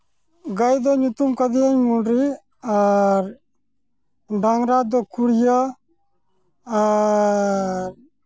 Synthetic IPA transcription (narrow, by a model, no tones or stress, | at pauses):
ɡajd̪oɲut̪umkəd̪iəɲmuɳɖɾi | aɾ | ɖaŋɾad̪okuɽjə | a | ɾ